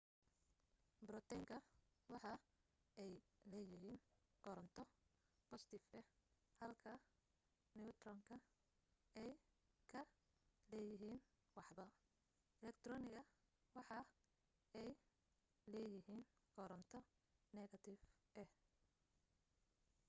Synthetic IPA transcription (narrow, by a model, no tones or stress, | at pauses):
bɾɔt̪ʰɛŋkʰɐwɑħɑ | ɛjlɛːjɪɦiːnɡ̥ɔɾɐnt̪ʰɔpʰɔst̪ʰɪfɛ | hɐlkʰɐ | nɪʊt̪rɔŋkʰɐ | ɛj | kʰɐ | lɛːjɪɦiːn | wɑħbɐ | ʔɛlɛkt̪ʰrɔnɪɣɐ | wɑħɑ | ɛj | lɛːjɪɦiːnɡ̥ɔɾɔnt̪ʰɔ | nɛɣɐt̪ʰɪfʔɛh